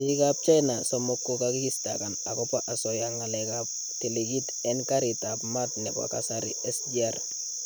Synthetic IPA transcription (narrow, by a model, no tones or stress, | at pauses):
ikap̚t͡ʃajnasɔmɔkːokakikista̰kanakɔpaʔasɔjaŋalɛkap̚ | tiliɡit | ɛnkaɾɪtapmatnɛba̰kasaɾɪ̰ɛsd͡ʒar